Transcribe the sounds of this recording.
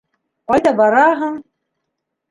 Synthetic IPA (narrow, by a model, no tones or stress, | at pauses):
qɑjd̪ɑbɑɾɑɦɤ̆m